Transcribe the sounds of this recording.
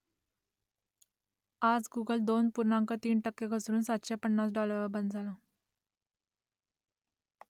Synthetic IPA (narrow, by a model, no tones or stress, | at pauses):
ad͡zɡuɡəld̪onpuɾɳãŋkət̪iːnʈəkːeɡʱəsɾuːnsat̪ɕapəɳːasɖɔləʋəɾbənd̪d͡zʱala